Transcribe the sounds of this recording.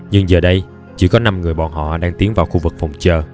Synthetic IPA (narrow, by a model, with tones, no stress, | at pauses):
ɲɨ˧ŋzəː˨˩ɗə˧j | t͡ɕḭ˧˥˦kɔ˨˦na˧mŋɨ˨˩əjɓɔ̰˨˩nɦɔ̰˧˨ɗaː˧ŋt̪i˨˦əŋvaː˨˩wxu˧vɨ˨˩k̚fɔ˨˩wŋ͡mt͡ɕəː˧˩